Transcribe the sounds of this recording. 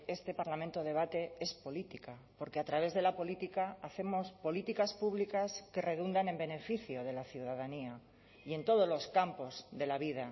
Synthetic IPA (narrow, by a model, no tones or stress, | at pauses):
e̞st̪e̞paɾlamẽnt̪o̞ð̞e̞β̞at̪e̞espo̞lit̪ikapo̞ɾkeat̪ɾaβ̞e̞zðe̞lapo̞lit̪ikaːθe̞mo̞spo̞lit̪ikaspuβlikaske̞re̞ðund̪anẽ̞mbe̞ne̞fiθjo̞ð̞e̞laθjuðaðania | ie̞nt̪o̞ð̞ozlo̞skampo̞zðe̞laβiða